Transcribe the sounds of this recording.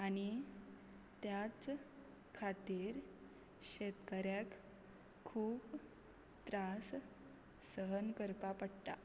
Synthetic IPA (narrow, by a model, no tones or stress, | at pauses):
aɽ̃i | t̪jat͡s | kʰat̪iːɾ | ɕet̪kəɾjakʰː | uːp | t̪ɾas | səɦənkəɾpapəɽt̪a